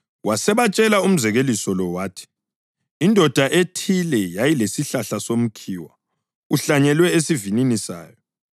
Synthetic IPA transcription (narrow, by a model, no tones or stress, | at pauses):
wasɛβat͡ʃʼɛlaum̩zɛɣelisɔlɔwaːtʰi̥ | indʱɔd̥ʱaʔetʰilɛjajilesiɬaɬasom̩kʰiːwa̰ | uɬaɲɛlwɛesivininisa̰ːjɔ